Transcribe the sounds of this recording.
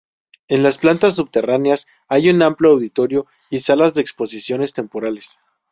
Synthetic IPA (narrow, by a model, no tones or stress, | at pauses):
e̞nlasplant̪as̬ːuβt̪e̞ranjas | ajunamploawðit̪o̞ɾjo̞ | isalazðeːkspo̞sisjo̞ne̞st̪e̞mpo̞ɾale̞s